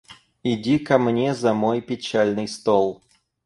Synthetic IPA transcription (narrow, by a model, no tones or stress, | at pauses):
ɪdʲikɐmnʲezɐmo̞jpʲɪt͡ɕælʲnɨjst̪olˠ